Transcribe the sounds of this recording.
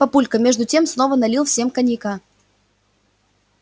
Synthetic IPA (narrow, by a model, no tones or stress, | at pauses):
pɐpulʲkəmʲe̞ʐd̪ʊtʲe̞msnovənɐlʲilˠfsʲe̞mkɐnʲika